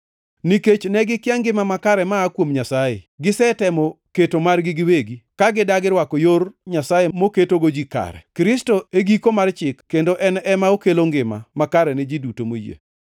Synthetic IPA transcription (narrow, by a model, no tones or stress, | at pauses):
niket͡ʃnɛɡɪkɪaŋɡɪmamakaɾɛmaːkwomɲasajḛɡɪsɛtɛmɔketomarɡɪɡɪweɡikaɡɪdaɡɪɾwakojorɲasajemoketoɡod͡ʒika̰ɾɛ̰kɾɪstoeɡikomart͡ʃɪkːendoʔɛnɛmaokeloŋɡɪma̰makaɾɛnɛd͡ʒidutomojḛ